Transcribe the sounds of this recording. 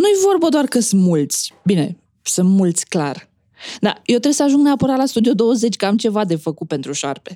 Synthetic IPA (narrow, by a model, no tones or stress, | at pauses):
nujevo̞rbəd̪oarkəsɨnmult̪sʲbine̞̰ | sunt̪mult̪sʲkla̰r | d̪a̰jewt̪ɾesəaʒuŋɡneapəɾat̪last̪ud̪io̞d̪o̞wəze̞t͡ʃʲkəamt͡ʃe̞vad̪e̞fəkut̪̚pe̞nt̪ɾuʃarpe̞